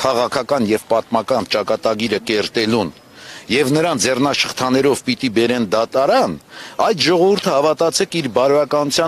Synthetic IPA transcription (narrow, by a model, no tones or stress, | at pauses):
kʰɑʁɑkʰɑkɑnjɛvpɑt̪mɑkɑnt͡ʃɑkɑt̪ɑɡiɾəkɛɾt̪ɛlun | jɛvnəɾɑnd͡zɛrnɑʃəχt̪ʰɑnɛɾɔvpit̪ibɛɾɛnd̪ɑt̪ɑɾɑnɑjt̪ʒɔʁɔvuɾt̪ʰəhɑvɑt̪ɑt͡sʰɛkʰiɾbɑɾvɑkɑnut͡sʰjɑ